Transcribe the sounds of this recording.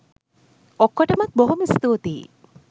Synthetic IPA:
okːoʈɐmɐt̪̚boɦumist̪oːt̪iː

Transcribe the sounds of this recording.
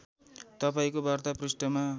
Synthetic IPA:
t̪ʌpaĩkobart̪aprisʈʌma

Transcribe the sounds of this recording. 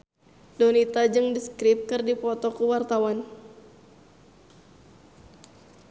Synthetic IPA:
dɔnit̪ad͡ʒɨŋdiskɾip̚kɨrdipɔt̪ɔkuwart̪awan

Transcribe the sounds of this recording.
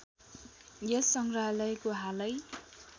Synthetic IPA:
jʌsʌŋɡralʌjkoɦalʌj

